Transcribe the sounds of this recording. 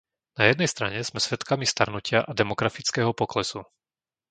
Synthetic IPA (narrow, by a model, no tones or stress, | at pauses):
najɛd̪nɛjst̪ɾa̰ɲɛz̥mɛsʋɛt̪kamist̪aɾnucɪaʔad̪ɛmɔɡɾafit͡skɛːɦɔpɔklɛsu